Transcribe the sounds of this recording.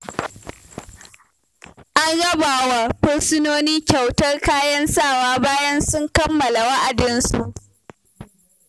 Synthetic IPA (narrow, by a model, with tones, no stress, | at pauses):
ʔa˦nɽɐ˦baː˨wa˨ɸʊ˦rsɪ˦noː˦niː˦kʲɐ˨wtɐ˦rkaː˦jɐ˦nsaː˦˨waː˦baː˦jɐ˦nsʊ˦ŋkɐ˦mːɐ˨la˨wɐ˦ʔa˨dɪ˦nsu˨ʔ